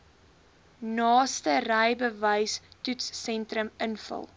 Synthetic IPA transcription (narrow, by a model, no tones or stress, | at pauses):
nɑːstərəjbəvəjstutsːɛntrəmənfə̰lˠ